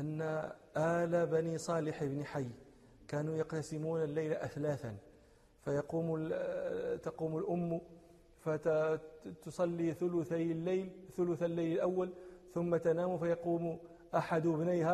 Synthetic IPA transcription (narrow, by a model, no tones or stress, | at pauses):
ʔanːaʔalabænisˤɑːlɪħbnɪħajː | kaːnujɑqt̪asɪmuːnalːajlaʔæθlaːθan | fajɑquːm | t̪ɑquːmʊlʔʊmː | fa | t̪ʊsˤɑlːiθʊlʊθajlːalθʊlʊθalːajləlʔawːalθʊmːat̪anaːmufajɑquːm | ʔaħad̪bnajha